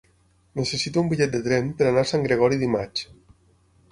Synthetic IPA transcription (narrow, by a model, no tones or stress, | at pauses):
nesesit̪umbiʎɛt̪̚d̪et̪ɾɛmpeɾanaɾsaŋɡɾeɣ̞ɔɾiðimat͡ʃ